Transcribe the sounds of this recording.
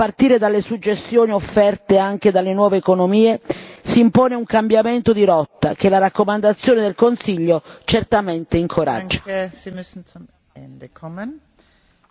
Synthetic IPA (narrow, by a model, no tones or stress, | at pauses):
part̪iːɾed̪alːesud͡ʒːest̪joːniofːɛrt̪eaŋk̟ed̪alːenwɔːveːkonomiːesiːmpoːneuŋkambjament̪od̪iɾɔt̪ːa̰k̟elaɾakːomand̪at̪sːjoːned̪elkonsiʎːot͡ʃert̪ament̪eiŋkʰoɾa̰d͡ʒːasimysn̩um | ɛndəkʰɔmən